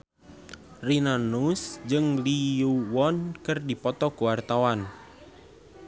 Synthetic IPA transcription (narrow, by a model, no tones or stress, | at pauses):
rinanusd͡ʒɨŋliuwɔnkərdipɔt̪ɔkəwart̪awan